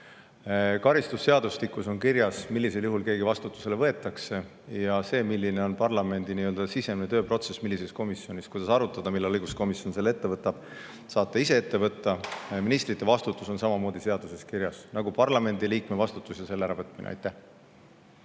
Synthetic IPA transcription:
kɑɾist̪usːe̞ɑd̪uslikːˑuso̞nkiɾjɑsmilːise̞ljuɦulke̞ːɡivɑst̪ut̪ːˑu̥se̞levɤ̞e̞t̪ːˑɑkse̞ | jɑse̞ːmilːine̞o̞npɑrlɑme̞nd̪iniøld̪̥ɑsise̞mnet̪øːpro̞t̪se̞smilːise̞sko̞misjo̞nʲiskujd̪̥ɑsɑɾut̪ːˑɑd̪̥ɑmilːelɤjɡ̥usko̞misjo̞nse̞lːe̞t̪ːe̞vɤt̪ːˑɑb̥ | sɑːt̪ːˑeise̞e̞t̪ːe̞vɤt̪ːɑminist̪rit̪ːˑe̞vɑst̪ut̪ːˑuso̞nsɑmɑmo̞ːd̪̥ise̞ɑd̪use̞skiɾjɑsnɑɡupɑrlɑme̞nd̪iliːkme̞vɑst̪ut̪ːˑusjɑse̞lːeæɾɑvɤt̪ːˑminḛɑ̰jt̪ːæh

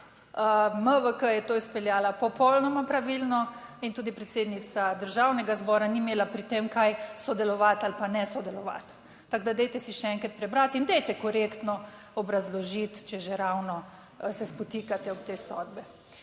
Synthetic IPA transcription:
əməʋəkəjɛt̪oːispɛljaːlapɔpɔwlnɔmapɾaʋilnɔ | int̪uːd̪ipɾɛt̪seːd̪nit̪sad̪əɾʒawnɛɡazbɔːɾanimeːlapɾit̪emkajsɔd̪ɛlɔʋat̪alpanɛsɔd̪ɛlɔʋa̰t̪ː | aɡd̪ad̪ɛjt̪ɛsiʃɛɛŋkɾat̪̚pɾɛbɾat̪ind̪ɛjt̪ɛkɔɾekt̪nɔ | ɔbɾazlɔʒit̪t͡ʃɛʒeɾawnɔ | sɛspɔt̪iːkat̪ɛɔp̚t̪eːsɔ̰d̪bɛ

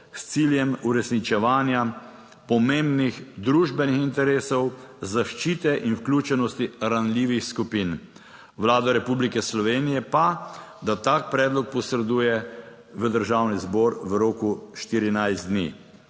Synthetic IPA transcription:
st̪siːljɛmuɾɛsnit͡ʃɛʋaːnja | pɔmembnixd̪ɾuːʒbɛnixint̪ɛɾeːsɔwzaʃt͡ʃiːt̪ɛʔinwklʲuːt͡ʃɛnɔst̪iɾanlʲiːʋixskupin | ʋlaːd̪ɔɾɛpublikɛslɔʋeːnijɛpad̪at̪aːk̚pɾɛːd̪lɔk̚pɔsɾɛd̪uːjɛ | ʋəd̪əɾʒawnizbɔːɾʋəɾoːkuʃt̪iːɾinajzt̪d̪nḭː

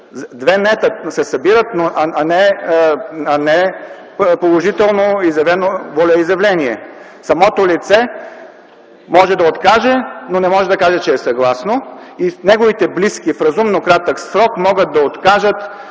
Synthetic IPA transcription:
d̪vɛnɛt̪əsɛsɐbiɾət̪noʔɐɐnɛ | ɐnɛ | polˠoʒit̪ɛlˠnoizjɛvɛnovɔlʲɛizjɐvlɛniɛ | sɐmɔt̪olit̪sɛ | mɔʒɛd̪ɐot̪kaʒɛnonɛmɔʒɛd̪ɐkaʒɛt͡ʃɛːsɐɡlˠasnoinɛɡovit̪ɛbliskifɾɐzumnokɾat̪əksɾɔkmɔɡət̪̚d̪ɐot̪kaʒət̪

